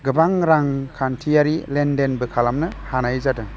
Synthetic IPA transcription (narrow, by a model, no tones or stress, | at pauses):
ɡɯbaŋɾaŋkʰantʰijaɾilendenbɯkʰalamnɯhanajzadɯ